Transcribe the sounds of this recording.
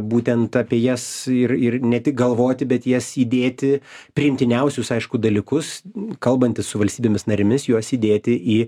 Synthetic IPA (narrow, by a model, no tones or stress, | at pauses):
buːt̪ʲɛnt̪ɐpʲiɛjɛsɪrɪrnʲɛt̪ʲɪk̚ɡɐlˠʋoːt̪ʲɪbʲɛt̪jɛsiːd̪ʲeːt̪ʲɪpʲɾʲɪɪmʲt̪ʲɪnʲɛʊsʲʊsɐɪʃkʊd̪ɐlʲɪkʊskɐlˠbɐnʲt̪ʲɪssʊʋɐlʲsʲt̪ʲiːbʲeːmʲɪsnɐɾʲɪmʲɪsjuɔsiːd̪ʲeːt̪ʲɪʔiː